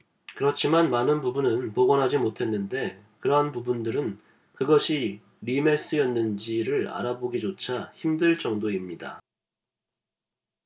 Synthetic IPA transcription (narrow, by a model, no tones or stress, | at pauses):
kɯɾʌt͡ɕʰimanmanɯnpubunɯnpoɡʌnɦad͡ʑimotʰe̞nːɯnde̞ | kɯɾʌɦanpubundɯɾɯn | kɯɡʌɕʰi | ɾime̞s͈ɯjʌnːɯnd͡ʑiɾɯɾa̰ɾaboɡid͡ʑot͡ɕʰaçimdɯɭt͡ɕ͈ʌŋdoimɲida̰